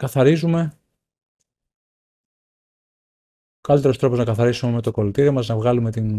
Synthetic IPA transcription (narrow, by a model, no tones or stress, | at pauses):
kɐθɐɾizume̞ | okɐlit̪e̞ɾo̞st̪ɾo̞po̞znɐkɐθɐɾisumeme̞t̪o̞ko̞lt̪iɾiomɐznɐvɣɐlume̞t̪in